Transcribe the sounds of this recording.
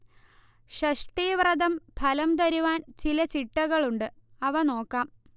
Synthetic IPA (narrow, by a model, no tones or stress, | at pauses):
ʂɐʂʈiːʋrɐd̪ɐmpʰɐlɐmt̪ɐɾuʋaːnt͡ɕilɐt͡ɕiʈːɐɣɐɭuɳɖɨɐʋɐno̞ːkːaːm